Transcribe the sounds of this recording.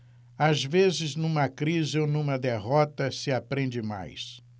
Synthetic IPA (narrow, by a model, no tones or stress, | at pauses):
azvezɪznũmɐkɾizɪonũmɐd̪eɦɔt̪ɐsɪapɾẽnd͡ʒɪma̰js